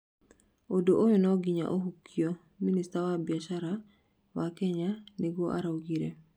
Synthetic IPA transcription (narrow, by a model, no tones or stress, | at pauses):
odoʔojonɔɡiɲa̰ʔoɦukʰːio | ministawabjat͡ʃaɾa | wakɛɲaneɡoʔa̰ɾawɡiɾe